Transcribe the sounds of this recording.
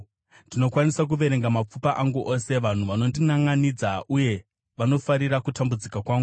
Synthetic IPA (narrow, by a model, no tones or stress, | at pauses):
ndino̞kwanisak̬uʋe̞ɾe̞ŋɡamap͡fupaʔaŋɡuʔo̞se̞ʋan̤uʋano̞ndinaŋɡanid͡zaʔuje̞ | ʋano̞faɾiɾakutambud͡zikakwaːŋɡɡu